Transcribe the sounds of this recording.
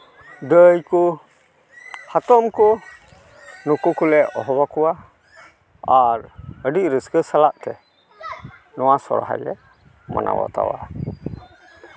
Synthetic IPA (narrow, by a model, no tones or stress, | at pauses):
dəjku | hat̪ɔmkɔ | nukukulɛɔɦɔbakɔwa | aɾəɖiʔ̚ɾəskəsalaʔt̪ɛ | nɔwasɔ̰ɾɦa̰jlɛ | ma̰nʔa̰wa̰t̪a̰wa̰